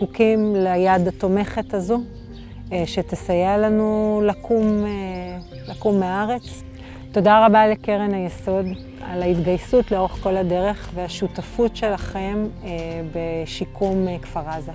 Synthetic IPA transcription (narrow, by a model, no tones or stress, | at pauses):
kukimlajadato̞me̞χetazu | ʃetesajelanulakʰume | lakumːeaaʁe̞t͡s | to̞daʁabaleke̞ʁenajeso̞d | a̰laitɡajsutleooχko̞lade̞ʁe̞χveaʃutafutʃe̞laχembeʃikʰumkfaʁaza